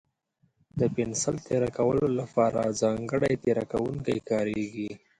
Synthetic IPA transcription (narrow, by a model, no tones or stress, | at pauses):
d̪əpɪnsəlt̪eɾakawəlolapɑɾa̰zɑŋɡəɽajt̪eɾakawuŋkajkɑɾeɡi